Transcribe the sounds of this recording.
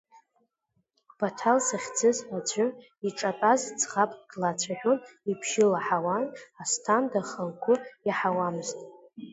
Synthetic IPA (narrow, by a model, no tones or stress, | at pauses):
b̥atʰalsaχʲd͡zɨzad͡ʒʷʊn | iʈ͡ʂʼatʼazt͡sʰχapʼɡlat͡sʷʰaħᶣonipʰʃɪlaħawanastʰandaχəlkʷʰʊjaħawamɨztʼ